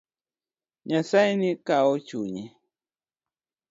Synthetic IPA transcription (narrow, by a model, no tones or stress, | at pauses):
ɲasajnikaot͡ʃuɲe